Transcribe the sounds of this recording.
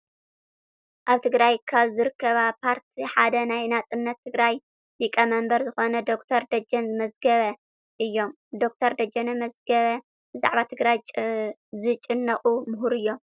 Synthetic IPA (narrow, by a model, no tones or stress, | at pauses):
ʔaβt̪ʰɨɡɾajkʰaβzɨɾɨkːɐβapʰaɾt̪ʰiħad̪ɐnajnat͡sʼɨnːɐt̪ʰːɨɡɾaj | jikʼɐmɐmbɐɾzɨxo̞nɐd̪o̞kt̪ʰɐɾd̪ɐd͡ʒɐnzɨmɐzɡɐβɐ | ʔɨjːo̞m | d̪o̞k̚t̪ʰɐɾd̪ɐd͡ʒɐnɐmɐzɡɐβɐ | bɨza̰ʕβat̪ʰɨɡɾaj | zɨt͡ʃʼɨnːɐχʼumʊɦuɾɨjːom